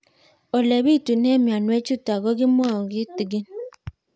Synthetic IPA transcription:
o˨le˨bi˦˨tu˨n˦e˦mi˨a˨nwe˦t͡ʃu˦ta˨ɡɔ˦ɡi˦m˦ɔ˦˨ɡi˦ti˨ɡi˦n

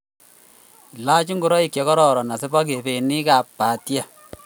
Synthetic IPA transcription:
la˦t͡ʃi˦ŋɡu˦ɾɔ˦i˨kjɛ˦kɔ˦ɾɔ˨ɾɔ˨na˨se˦bɔ˦k̬e˨be˨ni˦ka˨ppa˨tja˦

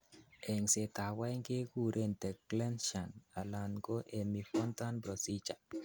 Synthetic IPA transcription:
ʔe˨ŋse˨ta˨wa˦jŋke˦ku˦ɾʔe˦˨ntɛ˨klɛ˦nʃa˨na˨la˨nɡo˦ʔe˨mi˨fɔ˦nt̪a˦nbɾo˨si˦t͡ʃa˨

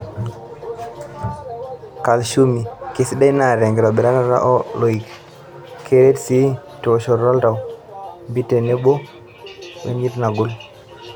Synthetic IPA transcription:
ka˨lʃu˦mi˨kɪ˨˦sdɛ˦na˦˨ɾɛ˨ŋɡɛ˨ɾɔ˨bɛ˨ɾa˦na˦ɾa̰˦ʔɔ˦lo˨i˨k | kʰe˦ɾe˦tsi˦to˨ʃɔ˨ɾɾɔ˦lta˨wmbi˦te˨ne˦bo˦ | wḛ˦ɲi˦tna˨ɡʊ˦l

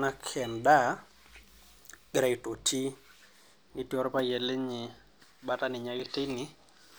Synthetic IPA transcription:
na˦kʰɛ˨nda˦ | ɡɾa˨i˨to˨tʰi˦ | ni˨ti˦ɔ˦ɾpa˦jɛ˨le˦ɲɪ˨ | ba˦ta˦nɪ˨ɲa˨˦ɡɪ˦te˦nɪ˦

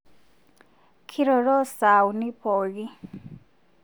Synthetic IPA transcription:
kʰiɾɔɾɔ˦sa˨wnipʰɔ˨ɡi˦

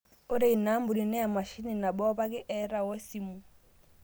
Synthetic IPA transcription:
o˦ɾe˦˨i˨na˦mbu˨ɾi˨nɛ˦a˨ma˨ʃi˦ni˨na˨bɔ˦ba˦ke˦ʔɛ˦ɾa˨wɔ˦si˨mu˨

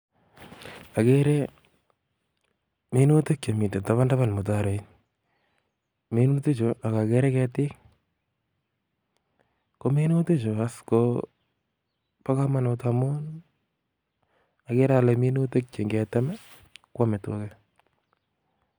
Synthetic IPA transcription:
a˨keɾe˦ | mi˦no˦te˦k̚t͡ʃe˨mi˨nde˨ta˨βa˦nda˦βa˦˨nmo˨t̬aɾo˨in | me˦no˦te˦t͡ʃo˨a˨ka˨kɛ˦ɾɛ˦kɛtɪ˦k | ko˦meno˦te˦t͡ʃo˨asko | pa˦kama˦notamo˦n | a˨ke˦ɾalɛ˨mi˦no˦te˦k̚t͡ʃe˨ŋɡɛ˨ta˦mɛ˦ | kwa˦me˨to̰kɛ

